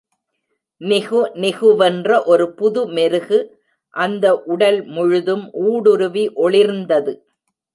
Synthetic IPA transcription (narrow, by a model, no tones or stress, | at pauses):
nɪɣɯnɪɣɯʋɛndrɐʔɔɾɯpʊðɯmɛɾɯɣɯ | ʔɐnd̪ɐʔʊɽɐlmʊɻɯðɯmʔuːɽɯɾɯʋiʔɔɭɪɾnd̪ɐðɯ